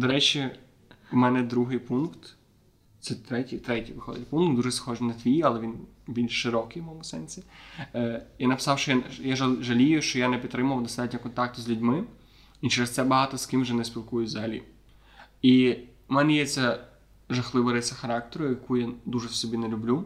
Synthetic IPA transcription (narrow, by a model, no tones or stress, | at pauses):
d̪ɔɾɛt͡ʃʲi | mɛnɛd̪ɾuɦɪjpunkt̪ | sɛt̪ɾɛtʲijt̪ɾɛtʲijʋɪxɔd̪ɪtʲpunk̪d̪uʒɛsxɔʒnɐt̪ʋʲijɐlˠɛʋʲin | bʲilʲʃʃɪɾɔkɪjʋwmɔmʊsɛnʲsʲi | janɐpɪ̥sɑwʃt͡ʃɔjajaʒɐʒɐlʲijʊʃt͡ʃɔjanɛpʲit̪t̪ːɾɪmʊʋɐwd̪ɔst̪ɑtʲnʲɐkɔnt̪ɑk̚t̪ʊzʲlʲʊdʲmɪ | it͡ʃɛɾest̪sɛbɐɦɑt̪ɔskɪmwʒɛnɛspʲilˠkujʊzalʲḭ | i | mɛnɛjɛt͡sʲːɐ | ʒɐxlˠɪʋɐɾɪsʲɐxɐɾɑk̚t̪eɾʊjɐkujad̪uʒɛwsɔbʲinɛlʲʊblʲu